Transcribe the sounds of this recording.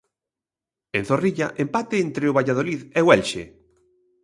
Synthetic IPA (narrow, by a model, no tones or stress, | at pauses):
ẽn̟θoriʎaʔempat̪ɪent̪ɾeʊβaʎað̞oliðeʊɛlʃḛ